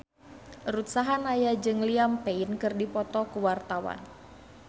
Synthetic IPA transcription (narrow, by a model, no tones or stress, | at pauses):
rut̪̚saɦanajad͡ʒɨŋliampeinkɨrdipɔt̪ɔkəwart̪awa̰n